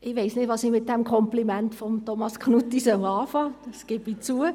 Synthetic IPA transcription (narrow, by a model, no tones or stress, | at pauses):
ʔɪʋeɪsnɪdʋɑsimɪt̚d̥ɛmkʰɔmplimɛntfɔmtɔmɑskʰnutːisœlɑːfɑːd̥ɑsɡ̥ɪbit͡suə